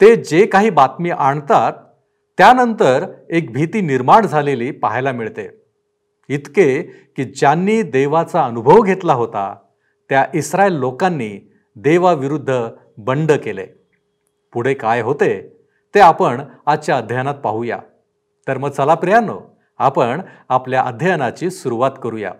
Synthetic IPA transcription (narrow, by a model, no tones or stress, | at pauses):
t̪ed͡ʑekaɦiːbat̪miːʔaɳt̪at̪ː | janənt̪əɾek̚bʱit̪iːniɾmaɳd͡zʱaleliːpa̰ɦajlamiɭt̪ḛ | it̪ke | kiːd͡ʑjanːiːd̪eʋat͡saənubʱəʋɡʱet̪laɦot̪a̰ | t̪jaʔisɾaelːokanːiː | d̪eʋaʋiɾud̪ʱːə | bəɳɖəkelḛ | puɽ̤ekajɦot̪e | t̪eapəɳat͡ɕjaəd̪ʱjanat̪̚pa̰ɦuja̰ | t̪əɾməɡ̚t͡səlapɾijano̰ | apəɳapljaʔəd̪ʱjajanat͡ɕiːsuɾuʋat̪kəɾuja̰